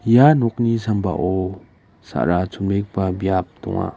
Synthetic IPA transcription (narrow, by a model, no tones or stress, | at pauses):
janɔk̚nisamba̰ʔɔ | sa̰ʔɾat͡sʰumlek̚pabijap̚t̪ɔ̰ŋa̰